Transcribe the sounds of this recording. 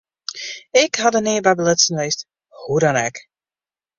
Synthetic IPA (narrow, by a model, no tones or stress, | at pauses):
ɪkhɑdənɪːəbɛbəlɪtsənʋejst | hudɔnɛk